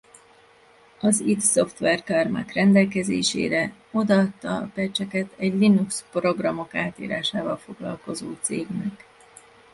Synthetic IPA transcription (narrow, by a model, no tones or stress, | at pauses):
ɒzit̪so̞ft̪ʋɛrkɒrma̰krɛnd̪ɛlkɛzḛːʃḛːɾɛ | o̞d̪ɒt̪ːɒpɛt͡ʃɛkɛt̪ʰɛɟlinukspro̞ɡrɒmo̞kaːt̪ḭːɾaːʃaːvɒlfo̞ɡlɒ̰lko̞zoːt̪seːɡnɛk